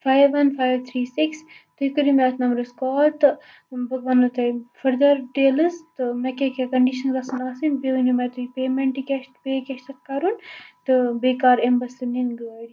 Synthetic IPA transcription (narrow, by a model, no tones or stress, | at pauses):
fajʋɐnfʰajʋt̪ʰɾiːsikst̪ɨikɨɾimɛːt̪nɐmɾɨskɔːlt̪ɨ | bɐɡʋaːnɨt̪ɐfɐɾd̪ɐɾʈeːlɨzt̪ɨmɛkekekɐɳɖiʃɐnlɐsɐnaːsɨnbeunimɛt̪ipeːmeɳʈikʲeʃt̪peːkʲeʃt̪ɐt̪̚kɐɾunt̪ɨbeːkaːɾembɐslɨninɡəɾi